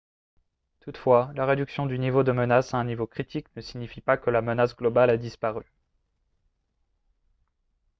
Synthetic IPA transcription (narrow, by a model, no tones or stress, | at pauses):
t̪ut̪fwalaʁed̪yksjɔ̃d̪ynivod̪əmənasaɛ̃nivokχit̪iknəsiɲifipakəlamənasɡlɔbalad̪ispaʁy